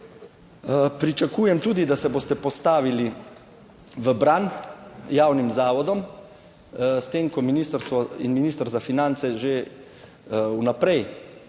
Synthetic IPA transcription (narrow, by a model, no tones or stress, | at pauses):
pɾit͡ʃakuːjɛmt̪uːd̪id̪asɛboːst̪ɛpɔst̪aːʋili | ʋəbɾanjaːwnimzaːʋɔd̪ɔm | st̪emkɔminiːst̪əɾst̪ʋɔinminiːst̪əɾzafinant̪sɛʒe | unapɾɛj